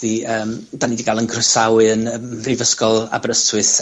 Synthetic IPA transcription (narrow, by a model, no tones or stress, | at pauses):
d̥iəːmdaniːdiɡalˠənkʰrəsawɨənəmivəskɔlˠa̰bɾəstʰwɨθ